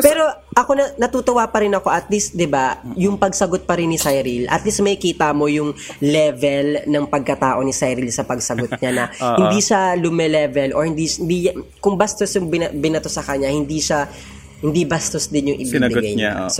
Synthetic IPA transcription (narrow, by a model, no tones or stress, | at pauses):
pɛːɾo̞ʔɐko̞nɐnɐt̪uːt̪ʊwapɐɾɪnɐko̞ʔɐt̪list̪̚d̪ɪbajʊŋpɐɡsɐɡot̪̚pɐɾɪnːɪsajɾilʔɐ̰t̪list̪mɐkiːt̪amo̞jʊŋlɛvɛlnɐŋpɐɡ̚kɐt̪aːʔo̞nɪsajɾilsɐpɐɡ̚sɐɡot̪ɲanɐhɪnd̪iʃalʊmɛlɛvɛlʔo̰hɪnd̪ind̪ikʊŋbɐst̪osjʊŋbɪnɐbɪnɐt̪osɐkɐɲahɪnd̪iʃa | hɪnd̪ibɐst̪osd̪ɪnjʊŋʔɪbib̪ɪɡajɲa̰s